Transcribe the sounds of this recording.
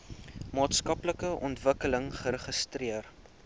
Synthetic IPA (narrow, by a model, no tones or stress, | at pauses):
mɑːtskɐpləkəʔɔntvəkələŋχəɾəχəstriər